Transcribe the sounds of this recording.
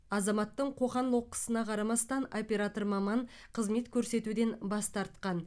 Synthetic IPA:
ɑzɑmɑt̪ːəɴqʰo̞ʁɑnlˠoqːə̥sənɑqʰɑɾɑmɑst̪ɑno̞pʲe̞ɾat̪o̞ɾmɑmɑɴ | qʰəzme̞t̪kʲʰɵɾse̞t̪ud̪e̞nbɑst̪ɑɾt̪̚qɑn

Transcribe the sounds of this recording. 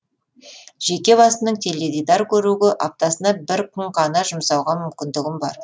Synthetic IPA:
ʒ̥e̞kʲe̞bɑsənəɴt̪ʰe̞lʲed̪ijd̪ɑɾkʲʰɵɾuɡʲɪʔɑp̚t̪ɑsənɑbɪɾqʰʊɴqʰɑnɑʒʊmsɑwʁɑmʏmkʲɪnd̪ɪɡʲɪmbɑɾ

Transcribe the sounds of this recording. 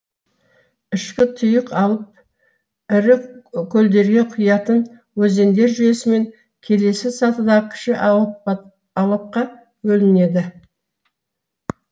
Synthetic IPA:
ɪʃkʲɪt̪ʰʊjəqɑlˠəp̚ | ɪɾɪkʲʰɵld̪e̞ɾɡʲe̞qʰʊjɑt̪ən | wɵze̞nd̪e̞ɾʒʏje̞sɪme̞ŋ | kʲʰe̞le̞sɪsɑt̪əd̪ɑʁəkʲʰɪ̥ʃɪʔ | ɑlˠɑp̚qɑ | bɵlɪne̞d̪ɪ

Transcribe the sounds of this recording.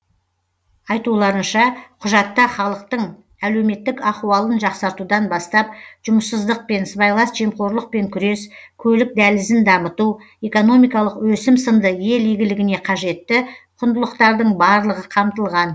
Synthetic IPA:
ɑjt̪ulˠɑɾənʃɑqʰʊʒɑt̪ːɑχɑlˠəq̚t̪əɴ | æle̞wme̞t̪ːɪkɑχuwɑlˠənʒɑqsɑɾt̪ud̪ɑnbɑst̪ɑp̚ʒʊməsːəzd̪əq̚pe̞nsbɑjlˠɑsʒ̥e̞mqo̞ɾlˠəq̚pe̞ŋkʲʰʏɾe̞skʲʰɵlɪk̚d̪ælɪzɪnd̪ɑmət̪u | e̞ko̞no̞mijkɑlˠəqwɵsɪmsənd̪əje̞lijɡʲɪlɪɡʲɪne̞qʰɑʒe̞t̪ːɪqʰʊnd̪əlˠəqt̪ɑɾd̪əɴbɑɾlˠəʁəqʰɑmt̪əlˠʁɑn

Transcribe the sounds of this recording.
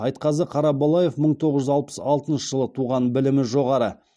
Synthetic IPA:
ɑjt̪qɑzəqʰɑɾɑbolˠaje̞fməɴt̪ʰo̞ʁəzʒʏzɑlˠpə̥sɑlˠt̪ənʃəʒəlˠət̪ʰuʁɑnbɪlɪmɪʒo̞ʁɑɾə

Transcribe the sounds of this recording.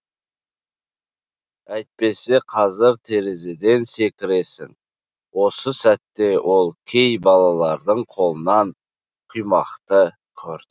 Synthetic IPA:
æjt̪̚pe̞se̞qʰɑzɪɾt̪ʰe̞ɾe̞ze̞d̪e̞nse̞kʲɪɾe̞sɪ̰ŋ | wo̞səsæt̪ːe̞wʔo̞lˠkʲʰe̞jbɑlˠɑlˠɑɾd̪əɴqʰo̞lˠənɑn | qʰujmɑqt̪ə | kʲʰɵɾd̪ɪ

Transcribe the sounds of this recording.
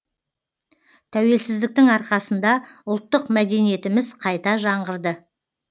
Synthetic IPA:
t̪ʰæwe̞lsɪzd̪ɪk̚t̪ɪŋɑɾqɑsənd̪ɑʊlˠt̪ːəqmæd̪e̞nije̞t̪ɪmɪzqʰɑjt̪ɑʒɑɴʁəɾd̪ə

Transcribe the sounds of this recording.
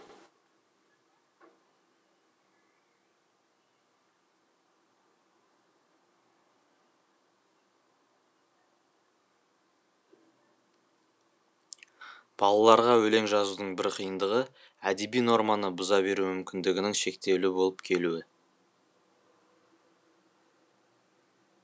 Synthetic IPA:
b̥ɑlˠɑlˠɑɾʁɑwɵle̞ŋʒɑzud̪əɴbɪɾqʰijənd̪əʁə | æd̪e̞bijno̞ɾmɑnəbʊzɑbe̞ɾumʏmkʲɪnd̪ɪɡʲɪnɪŋʃe̞kt̪e̞wlɪbo̞lˠəpkʲʰe̞luɪ

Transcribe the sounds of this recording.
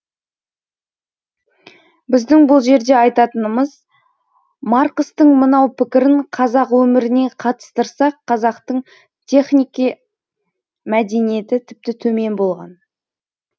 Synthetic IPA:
bɪzd̪ɪŋbʊlˠʒe̞ɾd̪e̞ɑjt̪ɑt̪ənəməz | mɑɾqəst̪əɴmənɑwpʰɪkʲɪɾɪɴqʰɑzɑqwɵmɪɾɪne̞qʰɑt̪ə̥st̪əɾsɑqʰːɑzɑqt̪əɴ | t̪ʲʰe̞χnʲijki | mæd̪e̞nije̞t̪ɪt̪ʰɪp̚t̪ɪt̪ʰɵme̞nbo̞lˠʁɑ̰n

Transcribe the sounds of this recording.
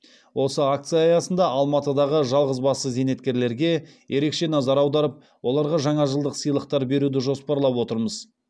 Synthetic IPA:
wʔo̞səak̚t̪sɨjɑːjɑsənd̪ɑʔɑlˠmɑt̪əd̪ɑʁəʒɑlˠʁəzbɑsəze̞ne̞t̪̚kʲe̞ɾle̞ɾɡʲe̞je̞ɾe̞kʃe̞nɑzɑɾɑwd̪ɑɾəp̚ | wo̞lˠɑɾʁɑʒɑɴɑʒəlˠd̪əqsəjlˠəq̚t̪ɑɾbe̞ɾud̪ɪʒo̞spɑɾlˠɑpwo̞t̪əɾməz

